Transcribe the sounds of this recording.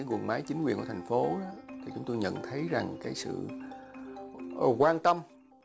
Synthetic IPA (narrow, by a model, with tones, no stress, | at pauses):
ɣwnma˨˦jt͡ɕi˨˦ŋkwi˨˩nku˧˩t̪ʰŋ̟fo˨˦ɗɔ˨˦t̪ʰi˨˩t͡ɕʊ˨˦ŋ͡mt̪o˧jɲə̰˧˨nt̪ʰə˨˦jza˨˩ŋkaː˨˦jsɨ̰˧˨˩ | kwaː˧nt̪ə˧m